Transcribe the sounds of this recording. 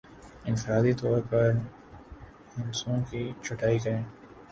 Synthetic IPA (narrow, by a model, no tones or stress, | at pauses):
ɪ̃nfɪɾaːd̪it̪ɔːɾpɐɾ | hʊ̃nsõkit͡ʃʰʊʈaːikɐɾẽː